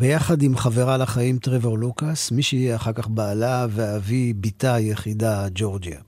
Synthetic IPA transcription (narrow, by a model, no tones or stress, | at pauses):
bejaχadimχaveʁalaχaimtʁeveʁlukasmiʃeijeaχaʁkaχbaːlaveavibitajeχidad͡ʒo̞ʁd͡ʒia